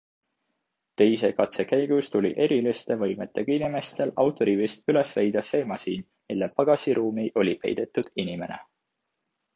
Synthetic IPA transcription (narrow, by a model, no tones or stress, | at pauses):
t̪e̞jse̞kɑt̪se̞kæjɡ̥ust̪ulʲḭʔe̞ɾilist̪e̞vɤ̞jme̞t̪ːˑeɡ̥ɑinime̞st̪e̞lɑwt̪ˑo̞ɾivist̪yle̞svejd̪̥ɑseːmɑsiːn | milːepɑɡ̥ɑsiɾʔuːmiʔo̞lʲipḛjd̪̥e̞t̪ːˑud̪̥inime̞ne̞̰